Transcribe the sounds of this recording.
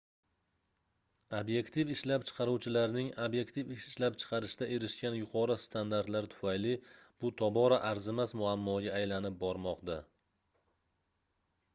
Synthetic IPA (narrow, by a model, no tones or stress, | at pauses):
abje̞kt̪ifɪʃlapt͡ʃʰɨ̥qʰɑɾuwt͡ʃʰɪlaɾnɪŋabje̞kt̪ʰifɪʃɪʃlapt͡ʃʰɨ̥qʰɑɾɪʃt̪aʔe̞ɾɪʃkʲanjʊqʰɒɾɨst̪ʰand̪aɾt̪laɾt̪ʰʊ̥fajlɪb̥ʊt̪ʰɒbɒɾaʔaɾzɪmasmʊamːɒɡʲaːjlanɪp̚bɒɾmɒqd̪a